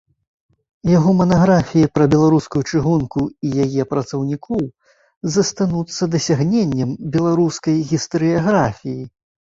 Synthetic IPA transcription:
jaɣɔmɐnaɣɾafʲijipɾɐbʲɛlˠaɾuskujut͡ʂɨɣunkuijajɛpɾɐt̪sɐwnʲikʰɔw | zɐst̪anut̪sːɐd̪ɐsʲaɣnʲenʲːɐmbʲɛlˠaɾuskɐjɣʲist̪ɐɾɨjaɣɾafʲiji

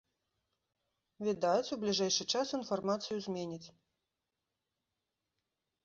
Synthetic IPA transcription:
vʲid̪at͡sʲublʲiʐɛjʂɨt͡ʂasinfarmat̪sɨjuzʲmʲenʲit͡sʲ

